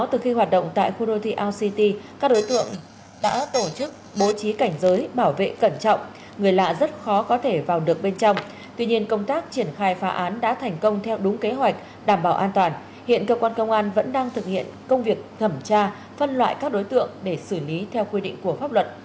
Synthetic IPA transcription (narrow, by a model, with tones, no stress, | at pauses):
t̪ɨ˨˩xi˧ɦwaː˨˩t̚ɗə̰˧˨ŋ͡mt̪a̰ː˧˨jxu˧ɗo˧t̪ʰḭ˧˨ʔaː˧wsi˧t̪i˧kaː˦˥k̚ɗo˨˦jt̪ɨ̰˧˨əŋ | ɗa̰ː˧˥t̪o˧˩t͡ɕɨ˦˥k̚ɓo˨˦t͡ɕi˨˦ka˧˩jŋ̟zəː˨˦jɓaː˧˩wvḛ˧˨kə˧˩nt͡ɕɔ̰˧˨wŋ͡m | ŋɨ˨˩əjla̰ː˧˨zə˦˥t̚xɔ˨˦kɔ˨˦t̪ʰe˧˩vaː˨˩wɗɨ˨˩ək̚ɓe˧nt͡ɕɔ˧wŋ͡m | t̪wi˧ɲi˧ənkə˧wŋ͡mt̪aː˦˥k̚t͡ɕi˧˩ənxaː˧jfaː˨˦ʔaː˨˦nɗa̰ː˧˥t̪ʰɛ˨˩jŋ̟kə˧wŋ͡mt̪ʰɛ˧wɗʊ˨˦ŋ͡mke˨˦ɦwa˨˩jk̟̚ | ɗaː˧˩mɓaː˧˩wʔaː˧nt̪waː˨˩n | hḭ˧˨ənkəː˧kwaː˧nkə˧wŋ͡mʔaː˧nvə̰˧˥nɗaː˧ŋt̪ʰɨ˨˩k̚hḭ˧˨ənkə˧wŋ͡mvi˨˩ək̚t̪ʰə˧˩mt͡ɕaː˧ | fə˧nlwa̰ː˧˨jkaː˦˥k̚ɗo˨˦jt̪ɨ̰˧˨əŋɗe˧˩sɨ˧˩li˨˦t̪ʰɛ˧wkwi˧ɗḭ˧˨ŋ̟ku˧˩əfaː˦˥p̚lwə̰˧˨˩t̚